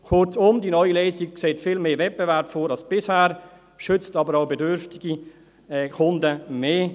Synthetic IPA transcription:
kʰʊrt͡sʊmdinɔʏileːzik̚kseːtfiːlmeːvɛt̚b̥evɛɾpfoːɾɑlsb̥ɪshæːɾ | ʃʏt͡stɑbəɾaʊbedʏɾftiɡ̥i | ɛkʰʊndəmeː

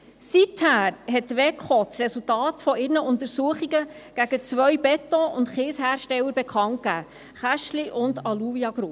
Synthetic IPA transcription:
sithæːɾɦɛtʋɛkχɔt͡srɛsultɑːtfɔɪɾnəʔʊnt̪əɾsuəχiɡəɡ̥æɡ̥ət͡sʋœjbɛtɔʊntχɪːshæːɾʃtɛlːəɾb̥ekʰɑŋkkæː | χæʃliʔʊndɑluviɑɡ̥ɾu

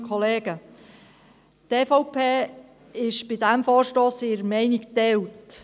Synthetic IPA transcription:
kʰɔleːɡ̥ə | teːfɔʊpʰeː | ɪʃb̥ɪdæmfɔːɾʃtoːsɪɾəmɛɪnɪktɛwt

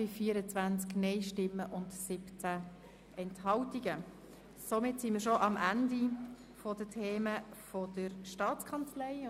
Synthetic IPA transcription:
ɪfiːəɾət͡sʋænt͡sknɛɪʃtɪmːəʔʊndsɪpt͡sæ | ʔɛnthɑltiɡə | somɪtsiməɾʃoʔɑmʔændi | fodətʰeːməfɔdəɾʃtɑːt͡skʰɑnt͡slɛɪ

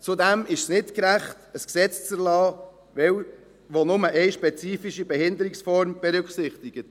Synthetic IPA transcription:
t͡sudɛmɪʃsnɪtkɾæχtəsksɛt͡st͡sɛɾlɑː | ʋɛw | ʋonʊməʔɛɪʃpɛt͡siːfiʃibɛhɪnd̪əɾɪksfɔɾmb̥ɛɾʏkχsɪχt̪ɪɡ̥ət

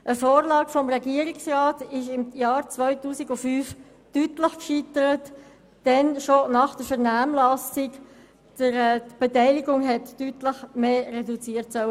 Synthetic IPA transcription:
ʔəfoːɾlɑːɡfɔmʁɛɡiəɾɪksrɑːtɪʃɪmjɑːɾt͡svœʏtuːsɪɡʊfyːf | tytləχkʃitəɾət | d̥ɛnʃonɑχd̥əɾfɛʁnaːmlɑsɪk | d̥əɾb̥etɛɪlɪɡʊŋɦɛtːytləχmeːrɛdut͡siːətsœwə

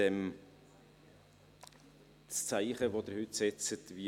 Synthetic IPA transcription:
ɛm | t͡st͡saɪχəvod̪əɾhʏtsɛt͡sətvi

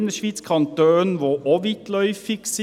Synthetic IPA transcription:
nəʂʋiːt̪skʰɑnt̪øːnʋʊʔɔʋɪt̪lœʏfɪks

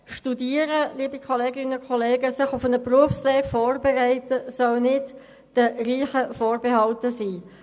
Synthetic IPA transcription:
ʃtudiːəɾəliːbikʰɔleːɡɪnəkʰχɔleːɡəsɪχufənəpruəfslɛːkfɔːrbɛʁæɪtəsœlnɪd | d̥əriːχəfoːrbehɑltəsiː

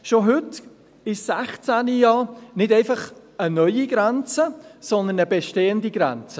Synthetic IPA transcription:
ʃoɦʏt | ɪsæχt͡sænijɑːnɪdɛɪfɑχ | ənœʏiɡ̥ɾɛnt͡səsɔnd̪ənəbɛʃteːəndiɡ̥ɾɛ̰nt͡sə

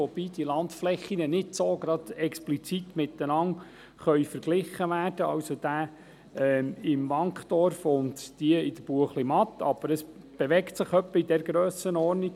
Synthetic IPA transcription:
ob̥iːd̥ilɑntflɛχːinənɪdsoːɡɾɑd̪̥ɛksplit͡sit̪mɪt̪ːənɑŋ | χœʏfəɾɡlɪχːəʋæːrd̥əɑ̰wsod̪̥æː | ɛɪmʋɑŋkχd̥̪ɔɾfʊntd̥iəɪd̥̪əb̥uəχlimɑt̪ːɑb̥əɾəs | b̥eʋɛktsɪχœpːəid̥ɛɾɡɾøːsənɔːɾnik

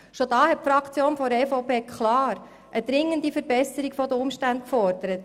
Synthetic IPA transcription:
ʃod̥ɑːhɛt̚pfɾɑkt͡sjoːnfɔɾɛfɔʊpʰeːkχlɑːɾ | ʔəd̪̥ɾɪŋːəndifəɾbɛsəɾiɡfɔdəʊmʃtænt̚kfɔɾd̥əɾət

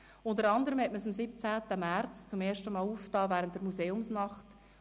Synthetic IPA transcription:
ʊndəɾɑnd̪əɾəmhɛtməsɑmsɪp̚t͡sæːtəmært͡st͡sʊmeːʃtəmɑːluːftɑːvæːɾəntd̥əɾmuseːʊmsnɑχt

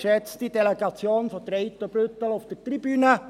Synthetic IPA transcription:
ʃɛt͡std̥ideleɡ̥ɑt͡sjoːnfɔtɾeɪt̪ːobɾʏt̪əlofd̥ərt̪ribyːnə

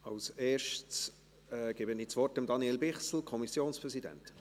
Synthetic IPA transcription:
ɑlseːɾʃs | ɛɡ̥ɛbəniːt͡svɔrtəmd̪ɑniɛlbɪχsl̩kʰɔmisjoːnspʁɛzidɛ̰nt

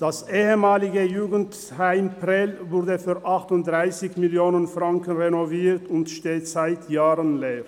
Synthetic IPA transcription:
d̥asʔeːəmaːlɪɡəjuːɡən̩t | haɪmpʁɛlvʊʁdəfyːɐʔaχtʊnt̚d̥ʁaɪsɪçmɪljoːnənfʁaŋkənʁenoviːʁtʊntʃteːtz̥aɪtʰjaːʁənleːʁ

